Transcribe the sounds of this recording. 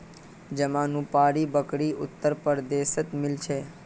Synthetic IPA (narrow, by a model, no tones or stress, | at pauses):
d͡ʒəmãnũpaɽibəkɽiʊt̪ːəɾpəɾd̪esət̪mɪlt͡ʃʰe